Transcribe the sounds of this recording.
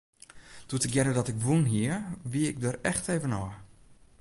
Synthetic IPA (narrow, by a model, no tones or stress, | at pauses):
d̥uətəkjɛdədɔtɪkʋunɦiəʋiəɪk̚dəɾɛxteːvənɔː